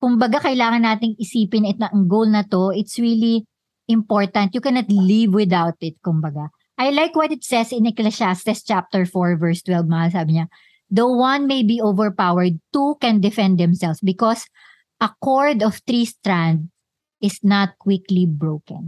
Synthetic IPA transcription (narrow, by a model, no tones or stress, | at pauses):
kʊmbɐɡakɐjlaːŋɐnːaːt̪ɪŋʔɪsiːpɪnɪt̪ʔɐŋɡowlnɐt̪oʔɪt̪sɹili | ʔɪ̃mpɔɹt̪ɐnt̪̚jʊkɛnɐt̪livwɪd̪awt̪ɪt̪̚kʊmbɐɡa | ʔɐjlajkwɔt̪ɪt̪sɛsɪnɛklɛʃast̪ɪst͡ʃap̚t̪ɛɹfɔɹvɛɹst̪wɛlvmɐhalsaːbɪɲɐ | d̪ɐwɐ̃nmejbiːʔovɛɹpawɛɹd̪̚t̪ukɛ̃nd̪ɪfɛ̃nd̪̚ːɛ̃msɛlsbɪkɔs | ʔɐkoɹd̪ɔft̪ɾist̪ɹãnd̪̚ | ɪsnɐt̪̚kwɪklibɹowkɐ̰̃n